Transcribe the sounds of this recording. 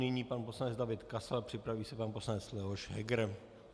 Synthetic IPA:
nɪɲiːpanposlanɛd͡zdavɪt̪kasalpr̥ɪpɾaviːsɛpanposlanɛt͡slɛɦoʃɦɛ̰ɡɾ

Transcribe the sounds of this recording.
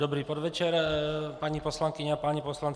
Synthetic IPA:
d̪ɔbɾiːpɔd̪ʋɛt͡ʃɛɾpaɲipɔslaŋkiɲaapaɲipɔslan

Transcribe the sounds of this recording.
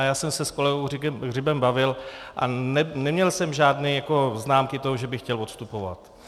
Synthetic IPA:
jaːsɛmsɛsko̞lɛɡowrrɪbɛmbavɪlʔa̰nɛnɛmɲɛlsɛmʒaːdnɛːjako̞znaːmkɪt̪oɦoʒɛbɪxcɛlot̪st̪upova̰t̪

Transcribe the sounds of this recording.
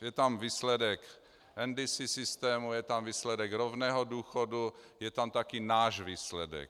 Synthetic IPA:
jɛt̪amviːslɛdɛk | ʔɛndɪsisɪst̪ɛːmujɛt̪amviːslɛdɛkɾovnɛːɦoduːxodu | jɛt̪amt̪akinaːʒviːslɛdɛ̰k

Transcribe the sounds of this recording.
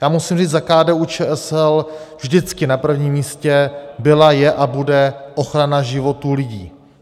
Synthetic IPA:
jaːmusimriːd͡zzakaːdɛːʔut͡ʃɛːʔɛsɛlvʒdɪt͡skɪnapr̩vɲiːmːiːscɛbɪlajɛʔabudɛʔo̞xɾanaʒɪvo̞t̪uːlɪɟiː

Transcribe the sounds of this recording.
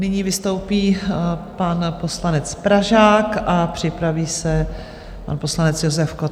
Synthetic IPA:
nɪɲiːvɪst̪o̞wpiːpanpo̞slanɛt͡spɾaʒaːkʔapr̝̥ɪpɾaviːsɛ | pa̰npo̞slanɛt͡sjozɛfko

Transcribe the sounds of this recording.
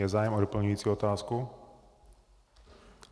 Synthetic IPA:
ɛzaːjɛmɔɾɔpl̩ɲʊjiːt͡siɔt̪aːsku

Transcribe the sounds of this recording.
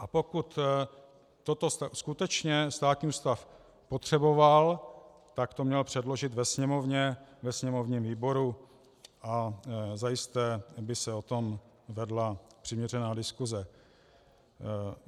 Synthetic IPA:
ʔapo̞kut̪ː | ot̪o̞st̪askut̪ɛt͡ʃɲɛst̪aːt̪ɲiust̪af | pot̪r̝̥ɛbo̞val | t̪akt̪o̞mɲɛlpr̝̥ɛdlo̞ʒɪt̪vɛsɲɛmo̞vɲɛvɛsɲɛmo̞vɲiːmviːbo̞ɾu | ʔazajɪst̪ɛːbɪsɛo̞t̪o̞m | vɛdlapr̝̥ɪmɲɛrɛnaːdɪskuzɛ

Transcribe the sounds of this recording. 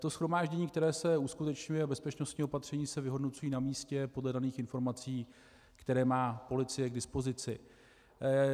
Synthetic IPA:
t̪o̞sxɾo̞maːʒɟɛɲiːkt̪ɛɾɛːsɛuskut̪ɛt͡ʃɲujɛabɛspɛt͡ʃno̞st̪ɲiːo̞pat̪r̥ɛɲiːsɛvɪɦo̞dnot͡sujiːnamiːscɛpo̞dlɛdaniːxɪnfo̞ɾmat͡siː | kt̪ɛɾɛːmaːpo̞lɪt͡sɪjɛɡdɪspo̞zɪt͡sɪ

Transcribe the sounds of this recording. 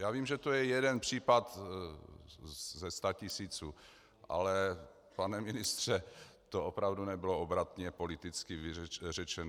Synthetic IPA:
jaːviːmʒɛt̪ojɛjɛdɛnpr̝̥iːpat̪ | zɛst̪acɪsiːt͡suː | ʔa̰lɛ | panɛmɪnɪst̪r̝̥ɛ | t̪oopɾavdunɛbɪloobɾat̪ɲɛpolɪt̪ɪt͡skɪvɪɛrɛt͡ʃɛn

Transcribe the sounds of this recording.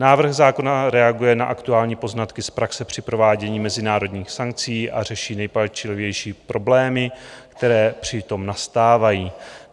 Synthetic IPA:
naːvr̩ɣzaːko̞naɾɛaɡujɛnaʔakt̪uaːlɲiːpo̞znat̪kɪspɾaksɛpr̝̥ɪpɾo̞vaːɟɛɲiːmɛzɪnaːɾo̞d̪ɲiːxsaŋk̚t͡siːʔa̰r̝ɛʃiːnɛjpat͡ʃɪlɪvjɛjʃiːpɾʔo̞blɛːmɪkt̪ɛɾɛːpr̝̥ɪt̪o̞mnast̪aːvajiː

